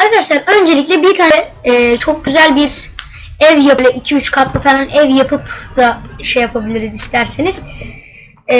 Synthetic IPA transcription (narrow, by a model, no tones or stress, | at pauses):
aɾkʰad̪aʃlˠaɾø̞nd͡ʒe̞lʲiclʲɛbiɾt̪ʰaːnɛːt͡ʃʰo̞k̚ɟyzælʲbiɾ | ɛvjaplʲˠɛʔicʰiyt͡ʃkʰat̪lˠɯfalˠanɛvjapʰɯpd̪aʃejapʰabilʲiɾizist̪ʰæɾsiniz̥